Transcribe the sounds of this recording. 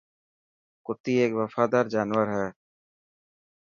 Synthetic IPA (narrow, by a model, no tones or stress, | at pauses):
kʊt̪iːeːkʋəfaːd̪aːɾd͡ʒaːnʋəɾɦɛː